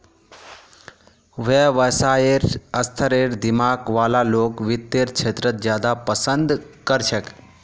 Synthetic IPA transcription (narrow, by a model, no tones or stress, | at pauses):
ʋeʋəsaːeɾəst̪ʰəɾeːɾd̪ɪmaːkʋaːlaloːkʋɪt̪ːeːɾt͡ʃʰeːt̪ɾət̪̚d͡ʒjaːd̪apəsənd̪kəɾt͡ʃʰək